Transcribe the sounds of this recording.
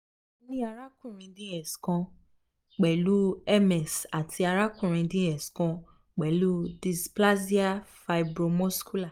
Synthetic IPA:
o˧˦nĩ˦a˧ɾa˦kũ˦˨ɾ̃ĩ˧dĩ˦ɛ˨skɔ̃˧ | k͡pɛ˨lu˦ɛ˦mɛ˨sa˨tʰi˧a˧ɾa˦kũ˦˨ɾ̃ĩ˧dĩ˦ɛ˨skã˧ | k͡pɛ˨lu˦di˧spla˦si˦a˦fa˧i˧bɾo˧mɔ̃˦sku˦la˦˨

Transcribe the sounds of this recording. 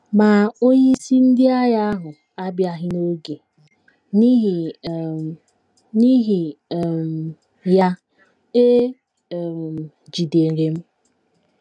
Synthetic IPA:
ma˨o˦ɲe˦i˦si˦n̩˦dɪ˦a˦ja˦a˦ɦʊ˨ | a˦bja˦ɦɪ˦no˦ɡe˨ | ni˦ɦi˨ | ni˦ɦi˨m˨ | ja˦ | e˦˨ | d͡ʒi˨de˨ɾe˨m̩˦

